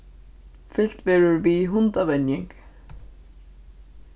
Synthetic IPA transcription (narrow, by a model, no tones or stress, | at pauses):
fɪl̥t̪vɛːɾʏɾviɦʊnt̪avɛnjɪŋk